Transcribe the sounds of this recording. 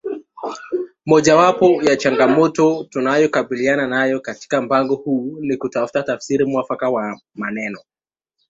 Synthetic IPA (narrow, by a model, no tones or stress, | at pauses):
mɔʄawapɔjat͡ʃaŋɡamɔtɔtunajɔkaɓiliananajɔkati̥kam̩paŋɡɔhuːnikutafu̥tatafsiɾimwafakawa | manɛnɔ